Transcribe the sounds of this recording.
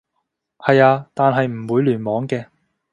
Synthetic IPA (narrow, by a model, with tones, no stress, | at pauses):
hɐ˨jaː˧t̪aː˨˧nɦɐ˨jm̩˨˩wuː˨˧jlyː˨˩nmɔː˨˥ŋkɛː˧